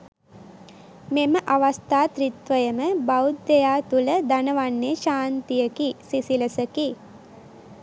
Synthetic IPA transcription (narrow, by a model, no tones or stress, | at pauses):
meməʔaʋast̪aːt̪rit̪ʋəjəməbawd̪ːejaːt̪uləd̪anəʋanːeʃaːnt̪ijəkisisiləsəki